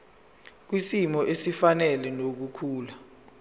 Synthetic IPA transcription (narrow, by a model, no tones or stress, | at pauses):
k̬wisimɔʔesifanɛlɛnok̬ukʰuːla